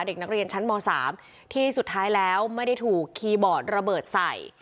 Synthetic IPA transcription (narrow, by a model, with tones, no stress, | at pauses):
de˨˩k̚na˦˥k̚ɾi˧ənt͡ɕʰa˦˥nmɔː˧sa̰ː˩˦m | t̪ʰiː˥˩su˨˩t̪ʰːaː˦˥jlɛː˦˥wma˥˩jda˥˩jt̪ʰuː˨˩kʰːiː˧bɔː˨˩t̪̚ɾa˧bɤː˨˩t̪̚sa˨˩j